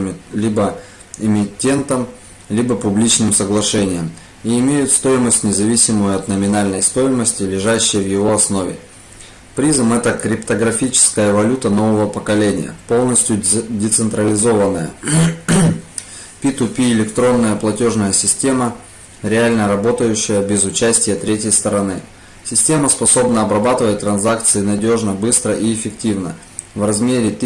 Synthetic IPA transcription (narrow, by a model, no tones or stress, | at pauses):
lʲibə | ɪmʲɪtʲːe̞nt̪əm | lʲibəpʊblʲit͡ɕnɨmsəɡlˠɐʂɛnʲɪjəm | iːmʲejʊt̪st̪o̞jɪməsʲtʲnʲɪzɐvʲisʲɪmʊjʊɐt̪nəmʲɪnalʲnəjst̪o̞jɪməsʲtʲɪlʲɪʐæɕːɪjəvjɪvo̞ɐsno̞vʲɪ̰ | pɾʲizəmɛt̪əkɾʲɪpt̪əɡɾɐfʲit͡ɕɪ̥skəjəvɐlʲut̪əno̞vəvəpəkɐlʲenʲɪ̰jə̰po̞lˠnəsʲtʲjʊdʲɪt̪sɨnt̪ɾəlʲɪzo̞vənːəjə̰ | pʲit̪ʊpʲiɪlʲɪkt̪ɾo̞nːəjəplˠɐtʲo̞ʐnəjəsʲɪsʲtʲe̞mə | ɾʲɪalʲnəɾɐbo̞t̪əjʉɕːɪjəbʲɪzʊt͡ɕæsʲtʲɪjət̪ɾʲetʲjəjst̪əɾɐnɨ | sʲɪsʲtʲe̞məspɐso̞bnəɐbɾɐbat̪ɨvət̚ʲt̪ːɾɐnzak̚t̪sɨɪnɐdʲo̞ʐnəbɨst̪ɾəʔiɪfʲɪktʲivnə̰ | vrɐzmʲeɾʲɪt̪ʲ